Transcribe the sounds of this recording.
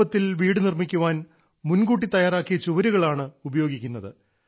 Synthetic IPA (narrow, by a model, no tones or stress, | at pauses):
ɐt̪ːilʋiːɽɨnirmikʲːuʋaːn | munɡuːʈ̬ːit̪ɐjaːɾaːkːijɐt͡ɕuʋɐɾuɣɐɭaːɳɨubɐjo̞ːɡikʲːunːɐðɨ